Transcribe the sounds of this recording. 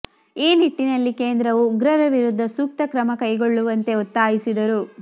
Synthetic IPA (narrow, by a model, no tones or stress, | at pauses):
iːniʈːinɐlːikeːnd̪ɾɐʋuɡɾɐɾɐʋiɾud̪ʱːɐsuːk̚t̪ɐkɾɐmɐkɐjɡoɭːuʋɐnt̪e̞ɔt̪ːaːjisid̪ɐɾu